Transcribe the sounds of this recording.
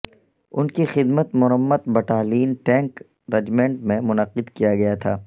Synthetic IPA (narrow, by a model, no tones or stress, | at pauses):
ʊnkixɪd̪mət̪mʊɦəmːət̪̚bɐʈaːliːnʈɛ̃ːŋk | ɾɐd͡ʒmẽːɳʈmẽmʊnəqɪd̪kijaɡɐjat̪ʰaː